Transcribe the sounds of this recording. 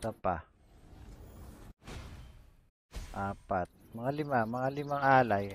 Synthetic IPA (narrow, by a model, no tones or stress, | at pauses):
ɐpa | ʔaːpat̪̚mɐŋalɪmamɐŋalɪmaŋʔaːlaj